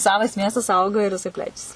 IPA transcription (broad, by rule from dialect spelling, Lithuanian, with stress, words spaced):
ˈsɑːʋɐs ˈmʲiɛstɐs ˈɐʊɡɐ ɪr jɪˈsɐɪ ˈpʲlʲæːt͡ʃʲɛsʲɪ